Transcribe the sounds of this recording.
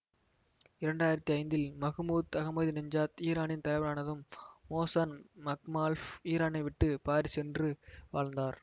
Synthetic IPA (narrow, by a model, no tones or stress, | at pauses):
ɪɾɐɳɖaːjɪɾɐt̪ːiɐɪnd̪ɪlmɐɣɯmuːt̪ɐɣɐmɐðinɐɲd͡ʒaːt̪iːɾaːnɪnt̪ɐɪʋɐɾaːnɐðɯmːoːsaːnmɐkmaːlfiːɾaːnɐɪʋɪʈːɯpaːɾisɛndrɯʋa̰ːɻnd̪aːɾ